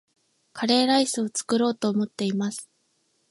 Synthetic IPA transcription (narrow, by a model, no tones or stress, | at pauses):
kʰaɾe̞ːɾaisɨo̞t͡sɨ̥kɯ̟ɾo̞ːt̪o̞ːmo̞t̪ːe̞imasɨ̥